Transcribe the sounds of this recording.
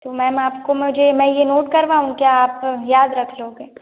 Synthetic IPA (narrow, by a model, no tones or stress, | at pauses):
t̪oːmɛ̃ːmaːpkomʊd͡ʒemɛ̃ːjenoːʈkɐɾʋaːũkjaːpjaːd̪ɾɐkʰloːɡeː